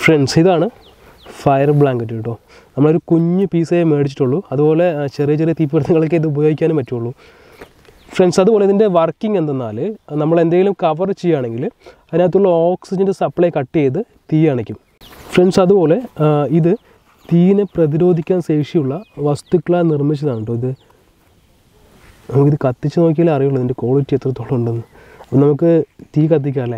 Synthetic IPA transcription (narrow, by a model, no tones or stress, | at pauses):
freɳɖsiðaːɳɨ | fɐjɐrbɭaːŋɡɐtːeʈːoː | nɐmːɐɭo̞ɾukuɲːɨpiːsejeme̞ːɽit͡ɕːi̥ʈːuɭːuɐðupo̞ːle̞t͡ɕerijɐt͡ɕerijɐt̪iːpːiɽt̪ːɐŋːɐɭok̬ːeiðɨubɐjo̞ːɡikʲːaːnumpɐtːuuɭːu | freɳɖsɐðubo̞ːleiðinde̞ʋɐrkːiŋe̞nd̪enːa̰ːlɨnɐmːɐɭe̞nd̪eːŋɡilumkɐʋɐrt͡ɕːejːaːɳe̞ŋɡilɐðinaːt̪ːuɭːɐoːksid͡ʑendɨsɐpːɐɭekɐʈːijejt̪ːɨ | t̪iːjaːɳekʲːum | frensɐðupo̞ːle̞iðɨ | t̪iːineprɐðiɾo̞ːd̪ʱikʲːaːnse̞ːkʂijuɭːɐʋɐst̪ukːɭaːnirmit͡ɕːɐðaːɳuɳɖoːiðɨ | nɐmukːiðɨkɐt̪ːit͡ɕːɨno̞ːk̬ʲːiɐlɐrijuɭːɐiðinde̞ko̞ːɭitːiet̪rɐt̪ːoːɭːuuɳɖenːɨ | ɐpːɐnɐmukːɨt̪iːkɐt̪̬ːikʲːaːle